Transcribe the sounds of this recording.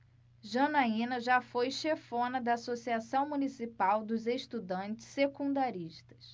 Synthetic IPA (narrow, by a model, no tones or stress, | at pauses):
ʒɐnaĩnɐʒafojʃefõnɐd̪ɐːsosiasɐ̃w̃munisipawd̪ʊzeʃt̪ud̪ɐ̃nt͡ʃɪ̥ssekũd̪aɾiʃt̪ɐ̥s